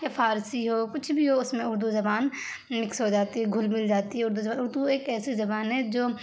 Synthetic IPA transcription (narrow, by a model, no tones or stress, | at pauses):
jafʰaːɾsiɦoːkʊt͡ʃʰbʱiɦoʊsmẽʊɾd̪uzɐbaːn | mɪksɦod͡ʒaːt̪iɦɛɡʱʊlmɪld͡ʒaːt̪iɦɛʊɾd̪uzɐbaːnʊɾd̪ueːkɛːsezɐbaːnɦɛd͡ʒoː